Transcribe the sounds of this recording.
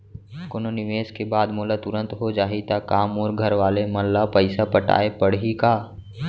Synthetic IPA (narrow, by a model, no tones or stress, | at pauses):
koːnonɪʋeːskebaːd̪moːlat̪ʊɾə̃nt̪ɦod͡ʒaːɦit̪akaːmɔːɾɡʱɐɾʋaːlemɐlːapəɪsapəʈa̰ːepəɽɦikaː